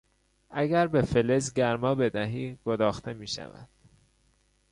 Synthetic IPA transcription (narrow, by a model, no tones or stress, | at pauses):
æɡæɾbe̞felezɟæɾmɒːbe̞d̪æɦiːɡ̥od̪ɒːxt̪ʰe̞miːʃæ̰væ̰d̪̥